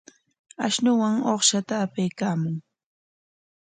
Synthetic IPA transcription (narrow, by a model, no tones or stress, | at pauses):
aʃnʊwaŋoχʃat̪aːpajkaːmʊŋ